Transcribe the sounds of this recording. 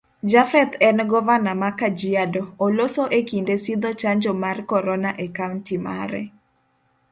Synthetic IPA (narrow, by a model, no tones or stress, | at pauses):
d͡ʒafɛt̪ɛnɡɔvanamakad͡ʒiadoːlosoʔekindesid̪ot͡ʃaɲd͡ʒɔmarkɔɾɔnaʔekawntima̰ɾɛ̰